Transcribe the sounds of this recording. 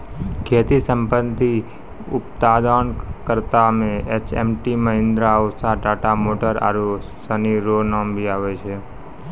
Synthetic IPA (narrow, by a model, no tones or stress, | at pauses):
kʰeːt̪isə̃mpənt̪i | ʊpt̪ad̪aɳkəɾt̪amẽet͡ʃḛmʈiməɦɪ̃nd̪ɾaosaʈaːʈamoːʈəɾa̰ɾo | səniɾonambʱiaːʋet͡ʃʰe